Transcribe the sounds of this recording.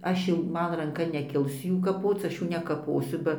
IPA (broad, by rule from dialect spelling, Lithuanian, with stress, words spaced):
ˈɐʃ jɛʊ ˈmɐn rɐŋˈkɐ nʲɛˈkʲɪlˠs ˈjuː kɐˈpoːt͡s ˈɐʃ ˈjuː nʲɛkɐˈpoːsʲʊ ˈbɐ